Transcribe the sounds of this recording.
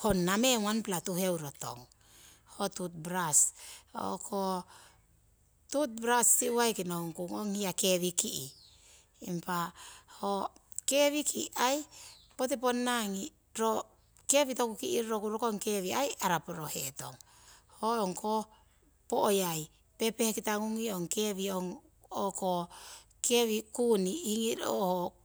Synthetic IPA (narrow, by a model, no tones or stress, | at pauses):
honːameŋanplatuhewɾoto̰ŋ | hotut̚bɾaso̰kʰo | tut̚bɾasːiuajkinohoŋkuŋoŋhiakeβikiʔiː | mpaho | ke̞βikʰiʔajpot̬iponːaŋi | ɾo | keβitokukiʔiɾɾokuɾokoŋkeβiajaɾapoɾoheto̰ŋ | hooŋkʰo | poʔojaj | pepehekitaŋuŋioŋkeβioŋ | oko | keβikuniiŋiɾo̰ho